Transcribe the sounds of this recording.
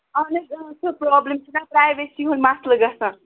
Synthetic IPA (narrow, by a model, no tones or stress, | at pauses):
ʌneksopɾɔblemt͡ʃʰunapɾajbesiɦonmasləɡʌsʌ̃